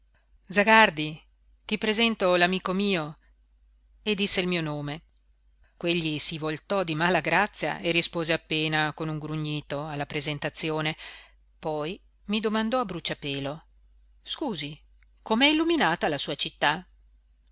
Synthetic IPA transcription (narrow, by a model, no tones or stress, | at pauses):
d̪zaɡard̪i | t̪ipɾezent̪olamiːkomiːo | ed̪isːeilmiːonoːme | kweʎːisivolt̪ɔd̪imaːlaɡɾat̪sːja̰ʔerispoːzeapːeːnakonuŋɡɾuɲːiːt̪oalːapɾezent̪at̪sːjoːne | pɔj | mid̪omand̪ɔabɾut͡ʃːapeːlo | skuːzi | komeɛilːuminaːt̪alasuːat͡ʃit̪ːa